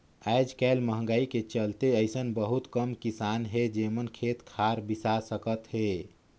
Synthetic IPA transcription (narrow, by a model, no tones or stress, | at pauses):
aɪd͡ʒkaɪlməɦə̃ŋɡəiket͡ʃəlt̪eəɪsənbəɦut̪kəmkisanɦed͡ʒemənkʰet̪kʰaɾbisasəkət̪ɦe